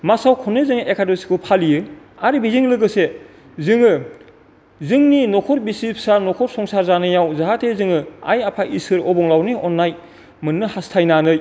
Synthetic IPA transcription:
masawkʰɔnːezɯŋekʰadosi̥kʰupʰalijɯ | aɾibiziŋlɯɡɯse | zɯŋɯ | zɯŋninɔkʰɔɾ̚bisipsanɔkʰɔɾsɔŋsaɾzanɯjawzaɦatʰezɯŋɯa̰japʰaʔisɯɾɔbɔŋlawniɔnːaj | mɯnːɯhastʰajnanɯj

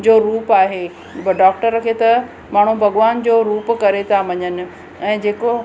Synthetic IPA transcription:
d͡ʑoːɾuːpaːɦe | bɖaːk̚ʈəɾːɐkʰet̪ɐ | maːɳ̤̃ubʱɐɠʋaːnd͡ʑoːɾuːpkɐɾet̪ʰaʋɐɲənɪ̆ | ɛ̃ːd͡ʑeːko

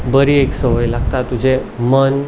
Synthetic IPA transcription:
bəɾieksəʋəjlaɡt̪at̪ːud͡ʑemən

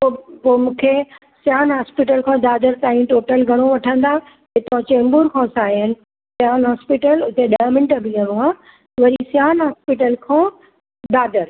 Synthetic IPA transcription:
opomũːkʰe | sjaːnɦaːspiʈ̬əlkʰãːd̪aːd̪əɾt̪aːĩʈoːʈəlɡʱɐɽ̃oʋɐʈʰə̃nd̪a | ɦɪt̪ãt͡ɕẽːmbuːɾkʰãːsaːijənɪ̆ | sjaːnɦaːspiʈəlʊt̪eɗaəmɪ̃ɳʈəbʱɪ̃ə̃ɽoaː | ʋɐɾisjaːnɦaːspiʈəlkʰãː | d̪aːd̪əɾ

